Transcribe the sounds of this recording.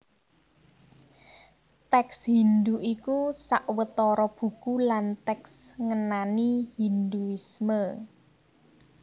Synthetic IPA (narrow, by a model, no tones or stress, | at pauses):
t̪ɛkshind̪uʔikusaʔwət̪ɔɾɔb̥ṳkulant̪ɛksŋənanihind̪uismə